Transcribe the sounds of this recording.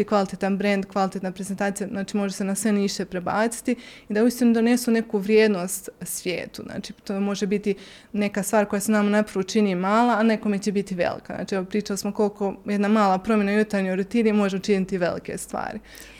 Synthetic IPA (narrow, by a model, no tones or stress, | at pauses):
ikʋalit̪et̪anbɾe̞nd̪kʋalit̪et̪napɾezent̪aːt̪sijaznaːt͡ʃimo̞ʒese̞nasʋe̞niːʃt̪epɾeba̰ːt̪si̥t̪iid̪auist̪inud̪o̞ne̞sune̞kuʋɾjeːd̪no̞ːst̪sʋjḛːt̪uzna̰ːt͡ʃiːt̪omo̞ʒebit̪i | ne̞kast̪ʋaːɾko̞jasenamanapɾaʋot͡ʃiniːmaːlˠaːne̞ko̞met͡ɕebit̪iʋḛlḭkana̰ːt͡ʃiɛʋo̞pɾiːt͡ʃalismoko̞lko̞jed̪namaːlˠapɾo̞mje̞najut̪aɾɲojɾut̪inimo̞ʒemot͡ʃinit̪iʋe̞̰lḭke̞̰st̪ʋa̰ːɾi